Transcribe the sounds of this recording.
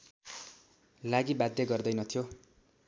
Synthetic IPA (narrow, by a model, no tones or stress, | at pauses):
laɡibad̪jeɡʌrd̪ʌjnʌt̪ʰijo